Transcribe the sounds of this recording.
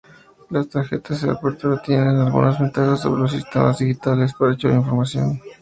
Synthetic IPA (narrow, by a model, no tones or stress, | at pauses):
last̪aɾxe̞̰t̪azðea̰poɾt̪uɾat̪jenenalɣṵnazβe̞nt̪axas̬ːo̞̰βɾe̞los̬ist̪e̞̰mazðixit̪ale̞s̬paɾaet͡ʃoa̰iɱfo̞ɾmasjo̞̰n